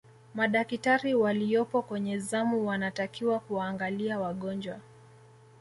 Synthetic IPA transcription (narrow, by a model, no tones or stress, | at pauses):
maɗakitaɾiwalijɔpɔkwɛɲɛzamuwanatakiwakuwaːŋɡaliawaɠɔnd͡ʒwa